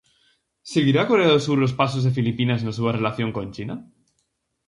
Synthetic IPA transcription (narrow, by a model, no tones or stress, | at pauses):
seɣ̞iɾakoreaðosuɾlo̞spas̬ozðe̞filipinaznosuβare̞laθjo̞ŋko̞nt͡ʃina